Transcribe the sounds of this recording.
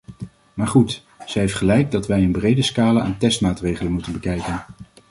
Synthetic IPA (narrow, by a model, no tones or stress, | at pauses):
maːɹχut | z̥əɦeftχəlɛjɡ̚dɑtʋɛjənbrejdəskaːləa̰ːntɛstmaːtrejχələnmutənbəkɛjkən